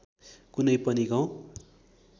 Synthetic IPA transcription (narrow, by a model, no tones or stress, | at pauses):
kunʌjpʌniɡaw̃